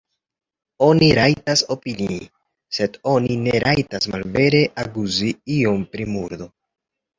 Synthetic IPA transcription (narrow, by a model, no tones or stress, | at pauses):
o̞niɾajtaso̞pini | se̞do̞nine̞ɾajtasmalve̞ɾe̞ʔaɡuziio̞mpɾimuɾdo̞